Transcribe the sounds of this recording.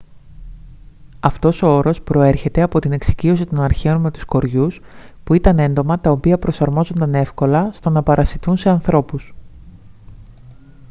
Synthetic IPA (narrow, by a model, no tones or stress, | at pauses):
ɐft̪o̞so̞o̞ɾo̞spɾo̞e̞ɾçe̞t̪e̞ɐpo̞t̪ine̞ksi̥cio̞sit̪o̞nɐɾçe̞o̞nme̞t̪u̥sko̞ɾʝuspuit̪ɐne̞nd̪o̞mɐt̪ɐo̞piɐpɾo̞sɐɾmo̞zo̞nd̪ɐne̞fko̞lɐst̪o̞nɐpɐɾɐsiθunse̞ɐnθɾo̞pus